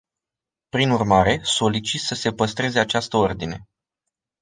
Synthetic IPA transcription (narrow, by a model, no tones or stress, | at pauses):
pɾinurmaɾe̞so̞lit͡ʃit̪səse̞pəst̪ɾe̞ze̞at͡ʃast̪əo̞rd̪ine̞